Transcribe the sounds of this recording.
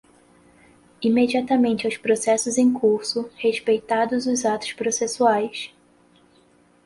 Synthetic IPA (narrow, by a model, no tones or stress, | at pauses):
imed͡ʒiat̪ɐmẽnt͡ʃɪawspɾosɛsʊzẽj̃kʰuɾsʊheʃpejt̪ad̪ʊzʊzat̪ʊ̥ʃpɾosesuajs